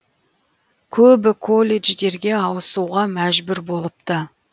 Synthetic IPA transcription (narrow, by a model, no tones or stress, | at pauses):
kʲʰɵbɪkʰo̞lʲːe̞ʒd̪e̞ɾɡʲe̞ɑwəsuʁɑmæʒbʏɾbo̞lˠəp̚t̪ə